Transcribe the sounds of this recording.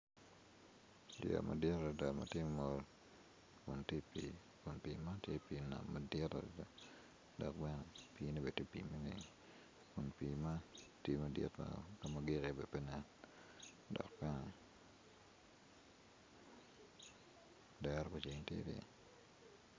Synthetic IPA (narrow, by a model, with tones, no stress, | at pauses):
dj̰a̰˨ma̰˨dɪ˦ɾa˨da˨ma̰˨tje˦mɔ˦l | kʊ˨ntje˦pi | kʊ˨npi˨ma˦tje˦pi˨na̰˨mːa˨dɪ˦ta̰˨da˨ | dɔ˨k̚bɛ˦nɛ˨pi˦ne˦be˨te˦pḭ˨ma˦nḛ˨ŋ | kʊ˨npi˨ma˦tje˦mɐ˨dɪ̰˦tma̰ka˦ma˨ɡɪ˦ke˨bɛ˨pɛ˦nɛ˦n | dɔ̰˨k̚bɛ˦nɛ˨ | dɛ˦ɾko˨t͡ʃi˨ŋtjḛ˦ɾjḛ˦